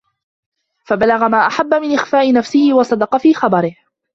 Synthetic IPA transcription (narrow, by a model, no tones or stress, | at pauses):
fabalaɣamaːʔaħabːamɪnʔɪxfaːʔɪnafsɪhɪwɑsˤɑd̪ɑqɑfiːxɑbɑɾɪh